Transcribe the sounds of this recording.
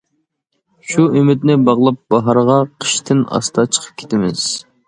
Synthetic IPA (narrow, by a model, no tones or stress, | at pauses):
ʃuymɪt̪̚nɪbɑʁlˠɑp̚b̥ɑɦɑɾʁɑqʰə̥ʃt̪ʰɪnɑ̰st̪ʰɑt͡ʃʰə̥qʰə̥p̚kʲʰe̥t̪ɪmɪz̥